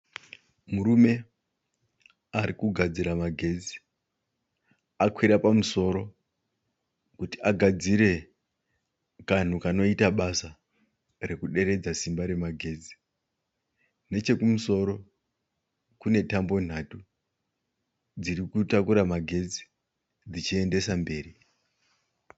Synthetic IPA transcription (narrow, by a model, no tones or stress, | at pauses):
muɾume̞ | aɾikuɡʱad͡ziɾamaɡʱe̞d͡zi̥ | akwiɾapamuso̞ɾo̞ | kutiaɡʱad͡ziɾe̞ | kan̤ukano̞itaɓasa | re̞kuɗe̞ɾe̞d͡zasimbaɾe̞maɡʱe̞d͡zi̥ | ne̞t͡ʃe̞kumuso̞ɾo̞ | kune̞tambo̞n̤atu | d͡ziɾikutakuɾamaɡʱe̞d͡zi̥ | d͡zit͡ʃie̞nde̞sambe̞ːri